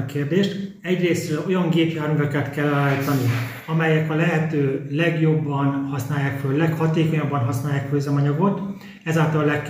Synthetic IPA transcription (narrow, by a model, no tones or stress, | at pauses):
keːrd̪eːʃt̪ | ɛɟreːsrøːlo̞jɒŋɡeːpjaːrmyvɛkɛt̪kɛlːaːjt̪ɒni | ɒmɛjɛkɒlɛɦɛt̪øːlɛɡjo̞bːɒnhɒsnaːjːaːkføllɛkhɒt̪eːko̞ɲɒbːɒnɦɒsnaːjaːkføzɛmɒɲɒɡo̞t̪ | ɛzaːlt̪ɒllɛkː